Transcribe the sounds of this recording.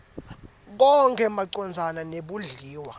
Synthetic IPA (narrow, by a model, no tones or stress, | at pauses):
k̬ɔŋkʰɛmaǀɔnd͡zʱananeɓuɮiːwa